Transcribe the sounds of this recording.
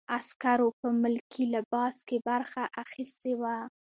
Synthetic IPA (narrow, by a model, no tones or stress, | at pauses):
askaɾopəmʊlkʰilɪbɑskebaɾxaʔaxist̪ewa